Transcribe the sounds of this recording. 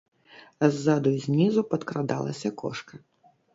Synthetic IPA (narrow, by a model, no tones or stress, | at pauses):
ɐzːad̪ujzʲnʲizupɐt̪kɾad̪alˠɐ̰sʲɐkɔ̰ʂkɐ